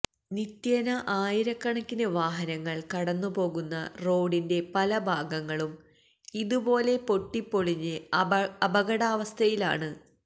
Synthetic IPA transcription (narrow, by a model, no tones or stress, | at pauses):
nit̪jɐnɐʔaːjiɾɐkːɐɳɐkːinɨʋaːɦɐnɐŋːɐɭkɐɽɐnːupo̞ːɣunːɐro̞ːɖinde̞pɐlɐbʱaːɡɐŋːɐɭum | iðubo̞ːle̞po̞ʈːipːo̞ɭiɲːɨɐbɐɣɐɽaːʋɐst̪ʰɐjila̰ːɳɨ